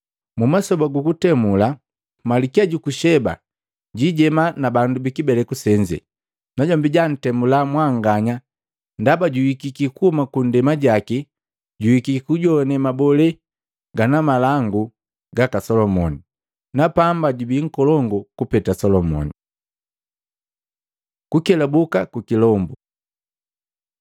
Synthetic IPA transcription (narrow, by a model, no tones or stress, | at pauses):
mumasɔbaɡukutɛmula | malikiaɟukuʃɛba̰ | ɟiɟɛmanabandubikibɛlɛkusɛɲd͡ʒɛ̰ | naɟɔmbiɟan̩tɛmulamwaŋɡaɲa | ndabaɟuwikikikuhɔmakundɛmaɟaki | ɟuwikikikuɟɔnɛmabɔlɛ | ɡanamalaŋɡu | ɡakasɔlɔmɔni | napambaɟubiŋ̩kɔlɔŋɡɔkupɛtasɔlɔmɔ̰ni | kukɛlabukakukilɔmbu